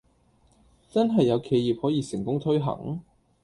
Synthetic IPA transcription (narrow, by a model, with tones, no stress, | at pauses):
t͡sɐ˥nɦɐ˨jːɐ˨˧wkʰe˧jiː˨p̚hɔː˨˥jiː˨˧sɪ˨˩ŋkʊ˥ŋt̪ʰɵ˥ɥɦɐ̰˨˩ŋ